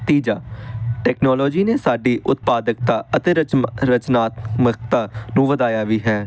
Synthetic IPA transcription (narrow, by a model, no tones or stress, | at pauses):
t̪iːd͡ʒaːʈɛːknɔːlɔːd͡ʒiːneːsaːɖiːʔʊt̪̚paːd̪ək̚t̪aːət̪eːɾəɾət͡ʃnaːt̪mək̚t̪aːnũːʋəd̪aːjaːʋiːɦɛː